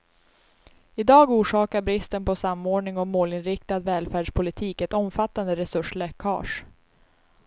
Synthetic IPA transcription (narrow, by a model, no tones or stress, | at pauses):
ɪd̪ɑːɡuːʂɑːkaɾbɾɪst̪ənpʰɔsamːoːɳɪŋɔmoːlɪnɾɪkt̪ad̪vɛːlfæːɖʂpʰʊlɪt̪ʰiːkɛt̪ɔmfat̪ːand̪əɾɛsɵʂlɛkʰɑ̰ːʂ